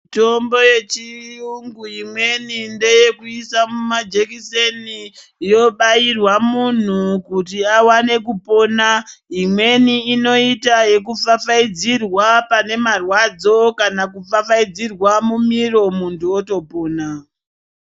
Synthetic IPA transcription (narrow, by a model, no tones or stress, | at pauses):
mito̞mbo̞je̞t͡ʃiuŋɡuimwe̞ninde̞je̞kuisamumad͡ʒe̞kiseni | jo̞ɓairwamun̤ukutiawane̞kupo̞naimwe̞niːno̞itaje̞kufafaid͡zirwapane̞marwad͡zo̞kanakufafaid͡zirwamumiro̞muntuoto̞po̞ːna